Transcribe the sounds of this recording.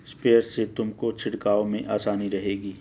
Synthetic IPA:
speːəɾset̪ʊmkot͡ʃʰɪɽkaːomẽʔaːsaːniɾɐɦeːɡiː

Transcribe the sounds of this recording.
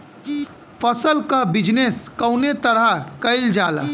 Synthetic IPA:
pʰəsəlkabɪd͡ʒneskəʊnet̪əɾakəɪld͡ʒaːla̰ː

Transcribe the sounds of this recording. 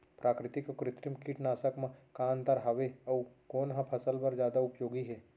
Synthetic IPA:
pɾʔaːkɾɪt̪ikokɾɪt̪ɾɪmkiʈnaːsəkmẽkaːnt̪aɾɦɐʋeɐukoːnɦɐ̃pʰɐsəlpɐɾd͡ʒjaːd̪aʊpjoːɡiɦɛː

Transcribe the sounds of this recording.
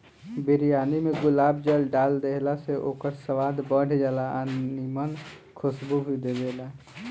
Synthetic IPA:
biɾijaːnimeɡʊlaːb̚d͡ʒəlɖald̪eɦlaseʔoːkəɾsəʋaːd̪bəɽ̤d͡ʒalaʔanimən | kʰʊsbubʱid̪ed̪ela

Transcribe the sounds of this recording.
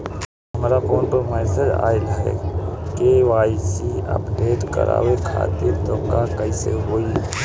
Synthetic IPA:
əmɾapoːnpəɾmɛːsəd͡ʒa̰ːɪlɦɛ̰keʋwaːisiə̰pɖeːʈkə̰ɾa̰ːwekʰa̰ːt̪iɾt̪oːkakəisḛɦoːi

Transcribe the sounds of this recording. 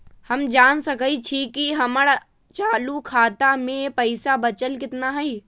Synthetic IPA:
həmd͡ʒaːnsəkəit͡ʃʰikiɦəməɽ | t͡ʃaːlukʰaːt̪amẽpəɪsabət͡ʃəlkɪt̪naɦəi

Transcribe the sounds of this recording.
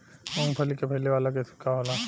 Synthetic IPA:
mõːŋpʰəlikepʰɐɦleʋaːlak̬esɪ̥kʰːaɦola

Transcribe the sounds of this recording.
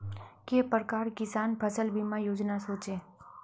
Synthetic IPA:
kepɾəkaɾkɪsaːnpʰəsəlbimãjoːd͡ʒnasoːt͡ʃe

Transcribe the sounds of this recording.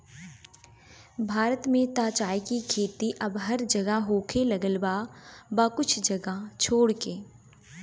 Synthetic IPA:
bʱaːɾət̪mẽt̪aːt͡ʃaːikikʰeːt̪iʔɐbɦɐɾd͡ʒɐɡaɦoːkʰelɐɡəlbaːbaːkʊt͡ʃʰd͡ʒɐɡat͡ʃʰoːɽkeː

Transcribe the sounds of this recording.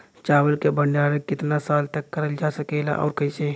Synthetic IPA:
t͡ʃabəlkebəɳɖaɾekɪt̪nasalt̪əkːəɾəld͡ʒasəkɛla̰ʔɔ̰ʊɾkəɦise

